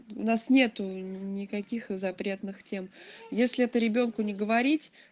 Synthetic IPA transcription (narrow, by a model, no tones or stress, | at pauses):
ʊ̰nasnʲe̞t̪ʊnʲɪkɐkʲixzɐpɾʲe̞t̪nɨxtʲe̞mjesʲlʲɪɛt̪əɾʲɪbʲo̞nkʊnʲɪɡəvɐɾʲitʲ